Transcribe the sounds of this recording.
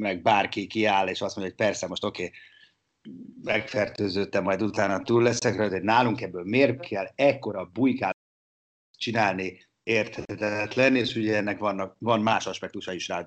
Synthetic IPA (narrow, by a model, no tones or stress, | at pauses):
mɛɡ̚baːrkikiaːleːʃɒst̪mo̞ɲɟjoc̚pɛrsɛmo̞ʃt̪o̞keː | mɛkfɛrt̪øːzøːt̪ːɛmːɒjd̪ut̪aːnɒt̪uːlːɛsɛkrøløt̪hodnaːluŋkɛbːøːlmeːrkʰɛlɛkːo̞ɾɒbujkaː | t͡ʃinaːlni | eːrt̪hɛt̪ɛt̪lɛneːʃuɟɛɛnːɛkvɒnːɒkvɒnmaːʃɒʃpɛk̚t̪uʃɒiʃraːd̪